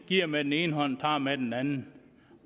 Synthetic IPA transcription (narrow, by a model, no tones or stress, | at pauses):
kiɐ̰mɛd̥eneːn̩ɦɔnt̪ʰaːmɛd̥en̩ɛnn